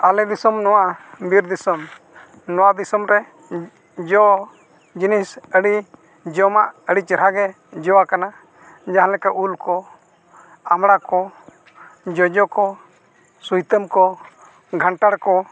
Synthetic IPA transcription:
alɛd̪isɔmnɔwaʔbiɾd̪isɔm | nɔwad̪isɔmɾɛ | d͡ʒɔ | d͡ʒinisəɽi | d͡ʒɔmaʔəɽit͡ʃəɾaɡɛ | d͡ʒɔwakana | d͡ʒaɦãlɛkaulkɔ | amɽakɔ | d͡ʒɔd͡ʒɔkɔ | sujt̪əmkɔ | ɡʱaɳʈaɽkɔ

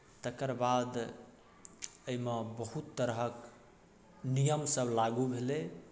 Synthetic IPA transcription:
t̪əkəɾbad̪ | əimebəɦut̪ːəɾɦək | nijəmsəblaɡubʱele

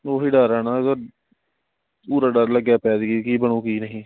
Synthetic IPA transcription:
oːɦiːɖəɾɛːnaːɡəɾ | puːɾaːɖəɾləɡjaːpɛːd̪ɡikiːbəɳõːkiːnəɦĩː

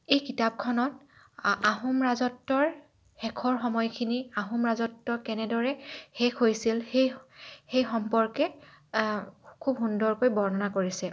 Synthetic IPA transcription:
ejkitap̚kʰɔnɔt̚ | aɦumɹazɔtːɔɹ | xɛkʰɔɹxɔmɔjkʰiniaɦumɹazɔtːɔkɛnɛdɔɹɛxɛkʰɦojsilxejxejxɔmpɔɹkɛ | kʰubɦundɔɹkojbɔɹnɔnakoɹisɛ

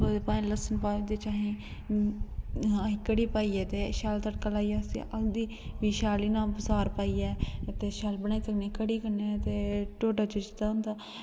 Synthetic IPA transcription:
pãːĩləsənpaːid̪eːt͡ʃaːɦĩː | aːɦĩːkəɽiːpaːiːɛːt̪eːʃaːlt̪əʈkalaːiaːsḭʔəɡd̪iː | biːʃaːliːnãːpəsaːɾpaːiːɛːt̪eːʃaːlbəñaːiːsəkneːkəɽiːkəɾneɛt̪eːʈoːʈaːt͡ʃət͡ʃt̪and̪aː

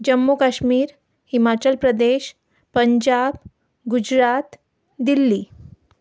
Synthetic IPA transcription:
d͡ʑəmːokaɕmiːɾ | himat͡ɕəlpɾəd̪eɕ | pəɲd͡ʑab̚ | ɡud͡ʑɾat̪ | d̪ilːiː

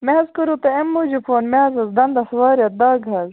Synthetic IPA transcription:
meɦɐzkuɾut̪ɐemːud͡ʒupʰoːnmeɐzɐzd̪ɐnd̪ɐsʋaːɾʲjɐt̪̚d̪aːɡʱɐz

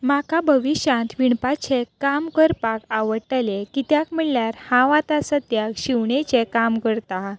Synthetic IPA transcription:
makabʱəʋiɕãnt̪ʋiɳpat͡ɕekamkəɾpakaʋəʈəlekit̪jakm̤əɭljaɾhãʋãt̪asət̪jakɕiwɳet͡ɕekamkəɾt̪a

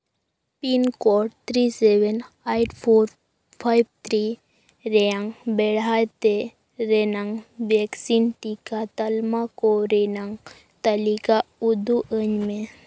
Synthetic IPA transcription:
pinkɔʈt̪ʰɾiseʋen | ajʈpʰoɾ | pʰajbt̪ʰɾi | ɾeãŋbeɽ̤ajt̪e | ɾenaŋɡʋeksinʈikat̪əlmakoɾenaŋɡ | t̪əlikaud̪uʔəɲme

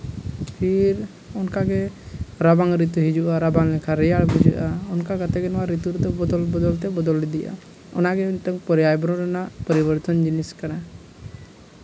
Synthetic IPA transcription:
pʰiɾ | ɔnkaɡɛɾabaŋɾit̪̬uɦid͡ʒuʔaɾabaŋlɛkʰaɾɛjaɽbud͡ʒṵʔaɔnkaɡat̪ɛɡɛnɔwaɾit̪uɾt̪ɔbɔd̪ɔlbɔd̪ɔlt̪ɛbɔd̪ɔlɛd̪iʔa̰ | ɔ̰naɡɛnt̪əŋpɔɾijajbɔɾɔɾanaʔpəɾibɔɾt̪ɔnd͡ʒiniskaɽa

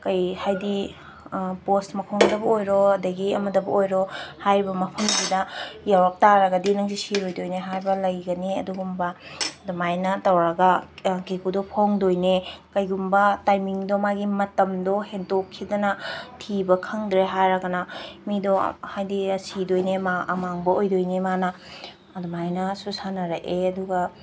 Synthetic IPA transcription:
kɐjhajdi | postmɐkʰoŋdɐbɐojɾoɐdɐɡiɐmɐdɐbɐojɾohajɾbɐmɐpʰɐmsidɐjawak̚taɾɐɡɐdinɐŋsisiɾojdojneɦajɾbɐlɐjɡɐniɐduɡumbɐdɔmajnɐtɐwɾɐɡɐkekudɔpʰoŋdojnekɐjɡumbɐtajmiŋdomaɡimɐtɐmdɔhendokʰːidɐnɐtʰibɐkʰɐŋdɾeɦajɾɐɡɐnɐmidɔhajdisidojnemaɐmaŋbɐojdojnemanɐ | ɐdɔmajnɐsusanɐɾɐʔeɐduɡɐ

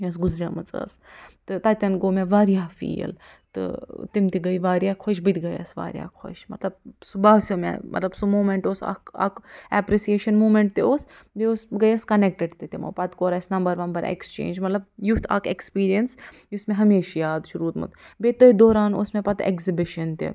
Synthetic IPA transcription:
jʲɐs̬ɡʊzɾʲaːmɐt͡sə̰ːst̪ɨt̪aːt̪ʲɐnɡoːmeʋaːɾijaːfḭːlt̪ɨ̰t̪imt̪iɡɐjʋaːɾjaːkʰoʃbit̪ɡɐjɐ̰sʋa̰ːɾja̰ːkʰo̰ʃmɐt̪lɐb̚subaːsomʲḛmɐ̰t̪lɐbsumoːmẽɳʈoːsa̰ka̰kɛpɾisijeːʃɐnmuːmẽɳʈt̪eoːs | beosɡɐjɐskɐnek̚ʈeɖt̪it̪imo̰pɐt̪koːɾɐsnɐmbɐɾʋɐnbɐɾḛkst͡ʃḛːnd͡ʒmɐt̪lɐb̚jut̪ʰa̰ːkʰekspiːɾijɐns | jusmẽɦɐmeːʃjaːd̪ʃuɾuːt̪mɨ̰t̪bet̪ɐid̪oːɾaːno̰smẽpɐt̪ḛkzibɪʃɐnt̪ḛ

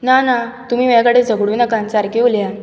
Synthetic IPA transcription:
nanat̪um̤iːmakəɽed͡zʱəɡɽunəkãnt͡saɾkeulja

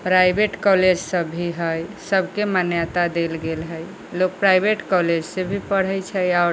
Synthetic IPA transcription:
pɾajbeʈkɔled͡ʒsəbʱːiɦəjsəbʱkemanjat̪ad̪elɡelɦəj | lok̚pɾajbeʈkɔled͡ʒsebʱipəɽ̤ət͡ʃʰəjaʊɾ

